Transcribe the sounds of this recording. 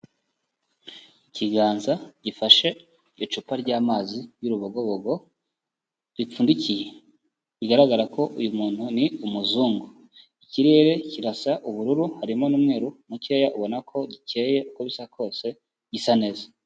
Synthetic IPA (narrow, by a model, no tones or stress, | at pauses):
iciɡaːnzaɟ̥ifaʃe̞ | ot͡ʃupaɾɟaːmaːzijuɾuβoɡo̞βoɡo̞ | βip͡fuːndicije | βiɡaɾaɡaɾako̞ʔujumuːn̥huniumuzuːŋɡo | iciɾe̞ːɾe̞ciɾasaʔuβuɾuɾuhaɾimo̞nuːmŋe̞ːɾumuciejaʔuβo̞nakʰo̞ɟice̞ːje̞ʔukoβisakʰo̞ːse̞ | ɟisane̞ːza